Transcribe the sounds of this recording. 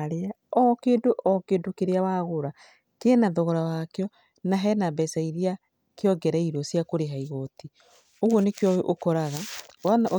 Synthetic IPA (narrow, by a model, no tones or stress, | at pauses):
ɾea | ɔkeːndoʔɔkeːdokeɾeawaɣoɾa | kenaðɔɣɔɾawakeɔ | naɦɛnabɛsaiɾia | keɔɡɛɾaiɾɔsjakoɾeɦaiɣɔti | oɣwɔnekjɔʔokɔɾaɣawanaʔ